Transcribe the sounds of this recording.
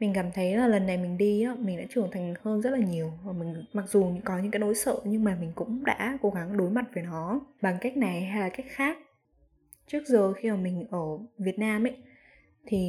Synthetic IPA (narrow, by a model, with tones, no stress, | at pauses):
mï˨˩ŋ̟kaː˧˩mt̪ʰə˨˦jlaː˨˩lə˨˩nːa˨˩jmï˨˩ŋ̟ɗi˧aː˨˦mi̟˨˩ɗa̰ː˧˥t͡ɕɨ˨˩əŋnt̪ʰa˨˩jŋ̟həː˧nzə˦˥t̚laː˨˩ɲi˨˩əwvaː˨˩mï˨˩ŋ̟ma˨˩k̚zu˨˩ɲɨ̰˧˥ŋkɔ˨˦ɲɨ̰˧˥ŋkaː˨˦jno̰˧˦jsə̰ː˧˨ɲɨ˧ŋmaː˨˩mï˨˩ŋ̟kʊ̰˧˥ŋ͡mɗa̰ː˧˥ko˨˧˦ɣa˨˦ŋɗo˨˦jma˨˩t̚veː˨˦nɔ˨˦ɓa˨˩ŋka˦˥jk̚na˨˩jɦa˧jlaː˨˩ka˦˥jk̚xaː˦˥k̚ | t͡ɕɨ˦˥ək̚zəː˨˩xi˧əː˨˩mï˨˩ŋ̟ʔəː˧˩vi˨˩ət̚naː˧mʔə˧˦j | t̪ʰi˨˩